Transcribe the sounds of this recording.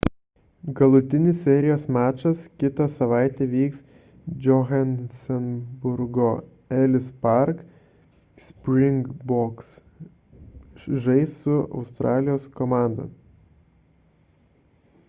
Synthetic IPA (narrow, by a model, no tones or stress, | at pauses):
ɡɐlˠʊt̪ʲɪnʲɪsʲsʲɛɾʲɪjoːsmʲæːt͡ʃɐskʲɪt̪ɐsɐʋɑˑɪt̪ʲɛʋʲiːks | d͡ʒʲɔɣɛnsʲɛnbʊɾɡo | ɛlʲɪspɑɾk | sʲpʲɾʲɪŋɡbɔks | ʒɐɪssʊɒ̰ʊst̪ɾʔɑːlʲɪjoːskɔmɑˑnd̪o̰